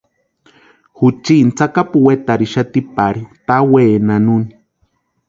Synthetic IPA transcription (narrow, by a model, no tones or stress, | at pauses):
hut͡ʃint͡sakapuwet̪aɾiʃat̪ipaɾit̪aweːnanuni